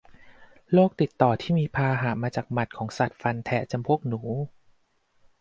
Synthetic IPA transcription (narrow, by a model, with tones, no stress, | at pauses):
loː˥˩k̚t̪i˨˩t̪ːɔː˨˩t̪ʰiː˥˩miː˧pʰaː˧ɦaː˩˦maː˧t͡ɕaː˨˩k̚ma˨˩t̪̚kʰɔː˩˦ŋsa˨˩t̪̚fa˧nt̪ʰɛ˩˦t͡ɕa˧mpʰu˥˩ək̚nuː˩˦